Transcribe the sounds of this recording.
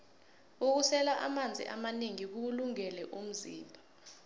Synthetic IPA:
uk̬usɛlaʔa̰mand͡zʱḭʔamaneŋik̬uluŋɛlɛʔum̩zḭːmbʱa

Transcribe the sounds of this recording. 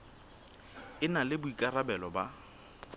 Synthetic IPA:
ɪnalɪbʊikʼarabɛlɔba

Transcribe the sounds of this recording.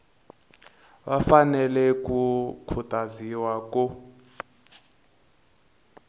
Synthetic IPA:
βafanɛlɛkukʰutʼaziwakɔ

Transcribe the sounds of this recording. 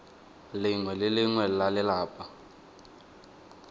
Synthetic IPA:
lɪŋwɛlɪlɪŋwɛlalɪlaːpʼa

